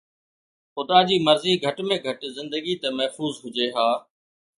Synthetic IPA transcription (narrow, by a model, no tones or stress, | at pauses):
xʊd̪aːd͡ʑiːməɾziːɡʱəʈmẽːɡʱəʈzɪ̃nd̪əɡiːt̪emɐɦfuːzɦʊd͡ʒeːɦaː